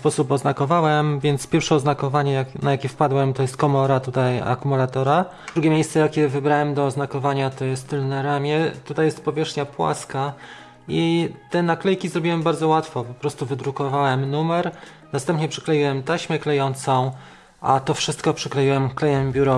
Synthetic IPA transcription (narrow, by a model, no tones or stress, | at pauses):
spɔsupɔznakɔvawɛmvʲjɛnt̪spʲjɛɾfʂɛɔznakɔvaɲɛjaknajakʲɛfpad̪wɛmt̪ɔjɛst̪kɔmɔɾat̪ut̪aja̰kumulat̪ɔɾa | d̪ɾuɡʲɛmʲjejst̪sɛjakʲjɛvɘbɾawɛmd̪ɔːznakɔvaɲat̪ɔjɛst̪ːɘlnaɾamʲjɛt̪ut̪ajɛst̪̚pɔvʲjɛʂxɲapwa̰ska | it̪ɛnaklɛjkʲizɾɔbʲiwɛmbaɾd̪zɔwat̪fɔpɔpɾɔst̪uvɘd̪ɾukɔvawɛmnumɛɾ | nast̪ɛmpɲɛpʂɛ̥klɛjiwɛmt̪aɕmɛklɛjɔnt̪sɔ̃w̃ | ʔat̪ɔfʂɘst̪kɔpʂɛklɛjiwɛmklɛjɛmbʲjuɾɔ